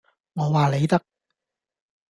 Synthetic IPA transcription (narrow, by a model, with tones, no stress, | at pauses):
ŋɔː˨˧waː˨le˨˧jt̪ɐ˥k̚